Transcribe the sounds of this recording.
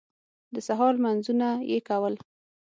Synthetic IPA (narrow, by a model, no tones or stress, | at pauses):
d̪əsaɦɑlmanzunajḛkawəl